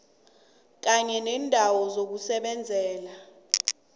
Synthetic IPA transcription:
k̬aɲɛnɛːndʱawɔzok̬usɛɓɛnd͡zʱɛːla

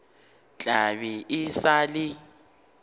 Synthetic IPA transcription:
t͡ɬʼaβiʔɪsaːlɪ

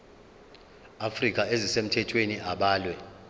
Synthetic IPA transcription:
afrikʼaezisem̩tʰɛtʰweniʔaɓaːlwɛ

